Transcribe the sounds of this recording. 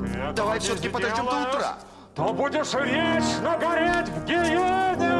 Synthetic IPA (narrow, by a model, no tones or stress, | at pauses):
d̪ɐvajfsʲot̪əkʲɪpəd̪ɐdʲomd̪ɐt̪ɾa̰ | t̪obudʲɪʂvʲet͡ɕnəɡɐɾʲetʲvɡʲɪjenʲɪ